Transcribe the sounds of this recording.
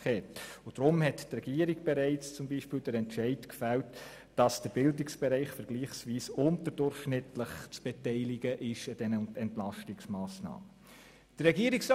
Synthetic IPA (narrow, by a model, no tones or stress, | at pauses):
hɛtʊd̥ɾʊmhɛttrɛɡ̥iːəɾiɡb̥ɛɾɛɪt͡st͡sʊmbiːʃpɪːldəɾɛntʃɛɪtkfælt | d̥ɑsd̥əɾbɪldɪksb̥ɛɾaɪχfəɾɡ̥liːχsʋiːsʊntəɾd̥ʊrχʃnɪtləχt͡sb̥ɛtɛɪlɪɡəʔɪʃəd̥ɛnəɛntlɑʃtɪksmɑːsnɑ̰ːmə | d̥ərɛɡiːəɾɪks